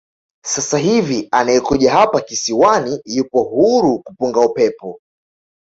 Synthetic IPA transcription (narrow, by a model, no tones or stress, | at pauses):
sasaɦivianaɛkuʄaɦapakisiwanijupɔɦuɾukupuŋɡaupɛpɔ